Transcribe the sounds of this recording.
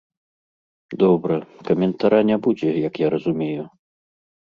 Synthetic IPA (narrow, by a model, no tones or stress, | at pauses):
d̪ɔbɾɐkɐmʲɛnt̪aɾanʲɛbud͡zʲɛjɐkjaɾɐzumʲeju